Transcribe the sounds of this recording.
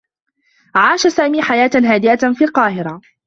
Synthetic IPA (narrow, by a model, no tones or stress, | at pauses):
ʕaːʃasaːmiːħajaːt̪ɦaːd̪ɪʔafiːlqɑːhɪɾa